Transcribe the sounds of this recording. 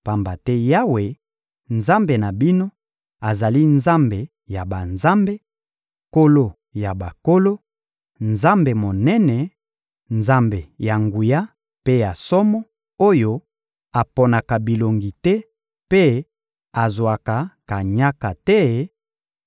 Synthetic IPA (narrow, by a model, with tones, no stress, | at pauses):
pa˨mba˨tɛ˦ja˦we˨ | nza˦mbe˨na˨bi˦no˦ | a˨za˨li˦nza˦mbe˨ | ja˨ba˨nza˦mbe˦ | ko˦lo˨ | ja˨ba˨ko˦lo˦ | nza˦mbe˨mo˨nɛ˦nɛ˨ | nza˦mbe˨ja˨ŋɡu˨ja˦ | pe˦ja˨sɔ˦mɔ˦ | o˦jo˦ | a˨po˨na˨ka˨bi˨lo˨ŋɡi˨tɛ˦ | pe˦ | a˨zwa˨ka˨ka˨ɲa˦ka˨tɛ˦